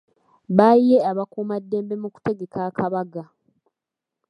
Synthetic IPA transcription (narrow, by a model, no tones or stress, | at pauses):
βaijeaβakuːmadːe̞ːmbe̞muku̥te̞ɡe̞kakʰaβaɡa